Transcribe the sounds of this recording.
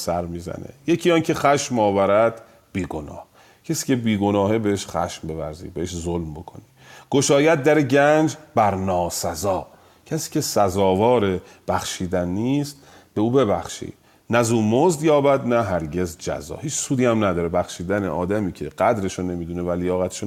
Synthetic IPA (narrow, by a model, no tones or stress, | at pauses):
sæɾmiːzæ̰nḛjecʰiːjɒːncʰe̞xæʃmɒːvæɾæd̪ | b̥iːɡo̞nɒ̰ːh | cʰesiːcʰebiːɡo̞nɒːhebe̞heʃχæ̰ʃmbe̞væ̰ɾzḭbeheʃzolmbo̞kʰo̞̰ni | ɡ̥o̞ʃɒːjæd̪̚d̪æɾeɟænd͡ʒbæɾnɒːsæzɒː | cʰæsi̥ːcʲʰe̞sæzɒːvɒːɾe | b̥æxʃiːd̪ænːiːst̪ | b̥e̞uːbe̞bæxʃḭːd̥̪ | næzuːmozd̪jɒːbæd̪næɦæɾɟezd͡ʒæ̰zɒ̰ːhiːt͡ʃsuːd̪iːæmnæd̪ɒːɾebæxʃiːd̪ænḛʔɒːd̪æmiːcʰeɢ̥æd̪ɾe̞ʃone̞miːd̪une̞vælijɒːɣæt̪ʰe̥ʃo